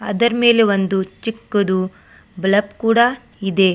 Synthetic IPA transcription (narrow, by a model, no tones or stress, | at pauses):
ɐ̰d̪ɐɾɐme̞ːleʋond̪ut͡ʃikːɐd̪u | blɐpkuːɽa | id̪e̞